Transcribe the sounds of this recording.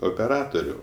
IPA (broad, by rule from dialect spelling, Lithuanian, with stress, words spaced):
oːpʲɛˈrɑːtoːrʲʊ